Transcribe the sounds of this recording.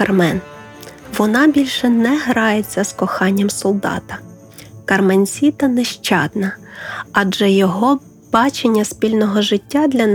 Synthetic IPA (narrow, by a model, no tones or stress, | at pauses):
ɐrmɛn | ʋɔnɑbʲilʲʃɛnɛɦɾɑjet͡sʲːɐskɔxɑnʲːɐmsɔlˠd̪ɑ̰t̪ɐ | kɐrmenʲsʲit̪ɐnɛʃt͡ʃɑd̪nɐɐd͡ʒɛjɔɦɔ | b̥ɑt͡ʃenʲːɐspʲilʲnɔɦɔʒɪtʲːad̪lʲɐn